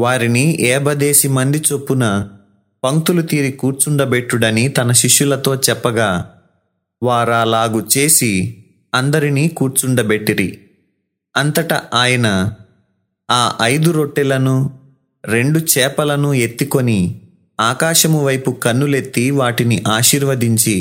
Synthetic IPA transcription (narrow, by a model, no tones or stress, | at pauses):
ʋaːɾiniʔɛːbɐd̪e̞ːsimɐnd̪it͡ʃo̞pːunɐ | pɐŋt̪ulut̪iːɾikuːɾt͡ʃuɳɖɐbe̞ʈːuɽɐnit̪ɐnɐʃiʂjulɐt̪o̞ːt͡ʃɛpːɐɡaː | ʋaːɾaːlaːɡut͡ʃe̞ːsi | ɐnd̪ɐɾiniːkuːɾt͡ʃuɳɖɐbe̞ʈːiɾḭ | ɐnt̪ɐʈɐaːjɐnɐ | aːʔɐjd̪uɾoʈːɛlɐnu | ɾe̞ɳɖut͡ʃɛːpɐlɐnue̞t̪ːiko̞ni | aːkaːʃɐmuʋɐjpukɐnːule̞t̪ːiʋaːʈiniʔaːʃiːɾʋɐd̪iɲt͡ʃi